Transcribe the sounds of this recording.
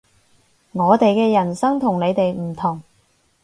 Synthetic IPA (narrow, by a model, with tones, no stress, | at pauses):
ŋɔː˨˧t̪e˨jkɛː˧jɐ˨˩nsɐ˥ŋt̪ʰʊ˨˩ŋne˨˧jt̪e˨jm̩˨˩t̪ʰʊ˨˩ŋ